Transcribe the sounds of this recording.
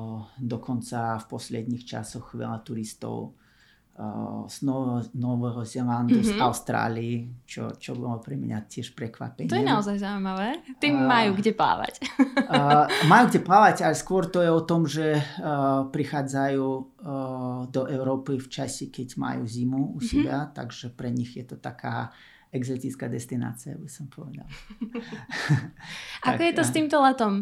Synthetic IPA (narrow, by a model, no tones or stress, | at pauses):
d̪ɔkʰɔnt͡safpɔslɛd̪ɲiːxt͡ʃa̰sɔxʋɛ̰lat̪uɾist̪ɔ̰ʊ | z̥nɔnɔʋɛɦɔzɛland̪uzaʊst̪ɾa̰ːliit͡ʃɔ̰t͡ʃɔbɔlɔpɾɛmɲa̰t̪ʲɪɛʃpɾɛkʋa̰pɛɲt̪ɔjɛɛnaɔzajzaʊimaʋɛːt̪imajuɡɟɛpla̰ːʋa̰c | majuːɡɟʲɛplaːʋacalɛskʋɔɾt̪ɔjɛɔt̪ɔmʒɛ | pɾixaːd͡zajuː | d̪ɔʔɛʊɾɔːpift͡ʃasikɛɟma̰jṵzimuusɛbat̪a̰ɡʒɛpɾɛɲixjɛt̪ɔt̪akʰa̰ː | ɛɡzɔt̪it͡skaːd̪ɛst̪ina̰ːt͡sia̰bisɔmpʰɔʋɛd̪a̰l | ʔakkɔjɛɔst̪iːmt̪ɔlat̪ɔm